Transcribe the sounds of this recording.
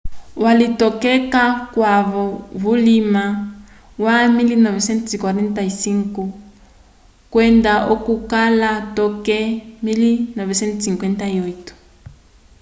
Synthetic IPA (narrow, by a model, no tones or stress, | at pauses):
walitɔkɛkakwaβɔβulima | wamilinɔvɛsɛnsikwaɾɛntaisiŋku | kwɛndaʔokukalatɔkɛmilinɔvɛsɛntsiŋkwɛntaiɔitɔ̥